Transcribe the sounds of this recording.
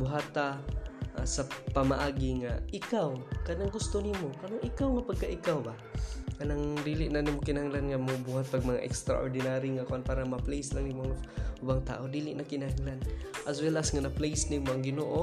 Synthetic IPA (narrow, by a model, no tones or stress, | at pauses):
bʊɦaːt̪a | sapamaʔaːɡiŋaɪkawkanaŋɡʊst̪onimokanaŋʔɪkawŋapaɡ̚kaʔɪkawba | kanaŋd̪ilɪʔnanimokɪnɐhaŋlanŋamobuɦat̪̚paɡ̚mɐŋa̰ʔɛ̰kst̪ɾa̰ʔoɾd̪ɪnaɾiŋakʊʔanpaːɾamaplejslaŋnimoŋʊbaŋt̪a̰ːʔod̪iːlɪʔnakɪnahaŋlanʔaswɛlasŋanaplejsnimoʔaŋɡɪnoʔo